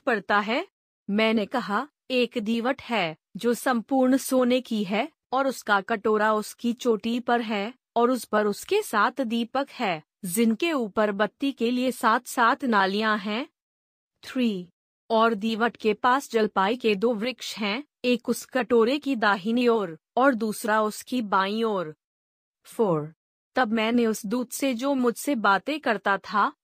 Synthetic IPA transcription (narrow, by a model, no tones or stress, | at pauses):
pɐɽt̪aɦɛː | mɛ̃ːnekɐɦa | eːkd̪iːʋəʈʰɦɛː | d͡ʒoːsɐ̃mpuːɾɳsoːnekiɦɛ | ɔːɾʊskakɐʈoːɾaʊskit͡ʃoːʈipɐɾɦɛː | ɔːɾʊspɐɾʊskesaːt̪ʰd̪iːpəkhɛː | zɪnkeuːpəɾbɐt̪ːikeliesaːt̪ʰsaːt̪ʰnaːlijãɦɛ̃ː | t̪ʰɾiː | ɔːɾd̪iːʋəʈkepaːsd͡ʒɐlpaːiked̪oːʋɾɪkʃɦɛ̃ː | eːkʊskɐʈoːɾekid̪aːɦɪnioːɾ | ɔːɾd̪uːsɾaʊskibaːĩoːɾ | foːɾ | t̪ɐbmɛ̃ːneʊsd̪uːd̪sed͡ʒoːmʊd͡ʒʱsebaːt̪ekɐɾt̪at̪ʰaː